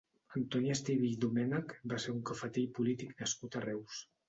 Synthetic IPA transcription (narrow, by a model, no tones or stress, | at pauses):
ənt̪ɔnjast̪iβiʎd̪umɛnakbaseɾuŋkafət̪eʎpulit̪iknəskut̪arɛws